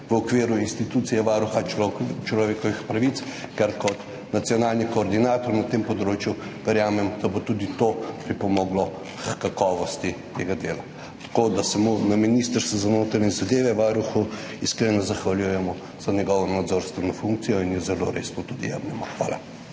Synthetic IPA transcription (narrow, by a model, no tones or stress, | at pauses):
ʋəɔkʋiːɾuinst̪it̪uːt̪sijɛʋaːɾuxat͡ʃlɔʋeːkɔʋixpɾaʋit̪skɛɾkɔt̪ | nat̪sjɔnaːlnikɔːɾd̪inaːt̪ɔɾnat̪empɔd̪ɾoːt͡ʃjuʋɛɾjaːmɛmd̪̥ɐbot̪ud̪it̪opɾipɔmɔɡlɔ | kakɔːʋɔst̪it̪eɡad̪eːla | t̪ɐ̥kod̪asɛmunaminist̪əɾst̪ʋɔzanoːt̪ɾanɛzad̪eːʋɛʋaɾuxu | iskɾeːnɔzaxʋaljujɛmɔ | z̥ɐnʲɛɡɔʋɔnad̪zoɾst̪ʋɛnɔfuŋk̚t̪sijɔinjɛzɛlo̰ɾḛst̪ot̪ud̪ḭja̰mnɛmaxʋaːla̰